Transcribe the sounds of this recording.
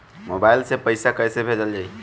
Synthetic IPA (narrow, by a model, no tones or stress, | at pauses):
mobajlsepəɪsakəjsebʱed͡ʒəld͡ʒaːi